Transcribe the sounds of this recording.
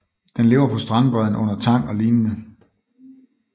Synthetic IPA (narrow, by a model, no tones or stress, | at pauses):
d̥enle̝ːʊɐpʰɒ̽sd̥ʁɑ̈nb̥ʁœðˠn̩ʔɔ̽n̰ɐt͡sʰɑ̈ŋ̰ɒ̽liːnnə